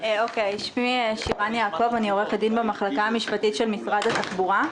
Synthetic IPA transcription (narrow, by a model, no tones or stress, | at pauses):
okejʃviʃiʁanjaːko̞vanioʁeχad̪inbemaχlakaamiʃpatitʃelmisʁad̪hat̪aχbuʁa